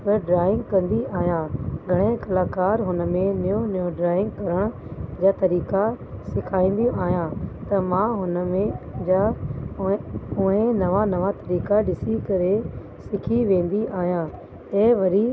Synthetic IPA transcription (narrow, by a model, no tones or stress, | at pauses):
pɐɖɾaːɪ̃ŋɡkɐ̃nd̪iaːɦijãːɡʱɐɽ̃ẽkɐlaːkaːɾɦʊnə̆mẽnɐjõnəjõɖɾaːɪ̃ŋɡkɐɾəɽ̃d͡ʒaːt̪ɐɾiːka | sɪkʰaːĩːnd̪ijõʔaːɦijãːt̪ɐmãɦʊnəmẽd͡ʒa | ʊɦẽnɐʋanɐʋat̪ɐɾiːkaɗɪsikɐɾe | sɪkʰiʋẽːnd̪iʔaːɦijãː | eːʋɐɾi